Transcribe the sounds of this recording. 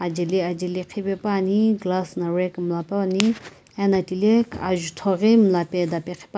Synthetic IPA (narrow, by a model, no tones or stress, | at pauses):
ad͡ʒiliad͡ʒiliqʰibepaniɡlasnaɾekmlaponi | ɛnɐtilekʰa̰ʒut̪ʰoɣimlaped̪apeqʰi̥p